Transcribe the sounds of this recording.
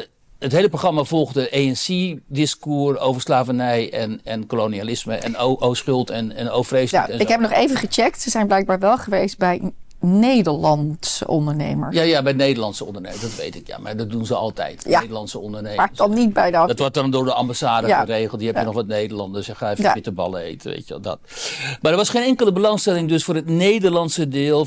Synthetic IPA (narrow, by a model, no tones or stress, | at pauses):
ətɦejləproχrɑmav̥ɔlˠɣdəʔejɛnsidɪskuːrowvəɹslaːvənɛjɛnɛnkolonialɪsməʔɛ̰noʔosχʏlˠtɛnɛnowfrejstɛnɪkkɦɛpnɔχejvəχət͡ʃɛk̚tsəzɛjnblɛjk̚baːɹʋɛlˠχəʋejst̚bɛj | nejdəɹlɑntsə̰ɔndəɹnḛjmə̰ɹjajabɛjnejdəɹlɑnsəɔ̰ndərnḛːmədɑtʋḛjtɪkja̰ma̰dɑt̚dunzəɑ̰lˠtɛ̰jtnejdəlɑntsəɔndərnemadɑnnit̚bɛjddɔtʋɔt̚dɔndʊːɹdəambasaːdəərejχl̩ˠtdiɦɛpənɔχʋɑtnejdəlɑndəsjəχaːefɪtəbɑ̰ləḛjtəʋḛːjtjəʋɛ̰lˠdɔ̰tmadəɹʋɑsχeːnɛŋkələbəlɑŋstɛlɪŋdøsfʊːrətnejdərlɑntsədɪːlˠ